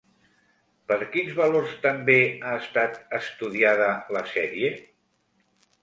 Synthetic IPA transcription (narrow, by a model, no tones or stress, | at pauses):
pəɾkinzβəloɾst̪əmbeaəst̪at̪əst̪uð̞iaðələsɛɾie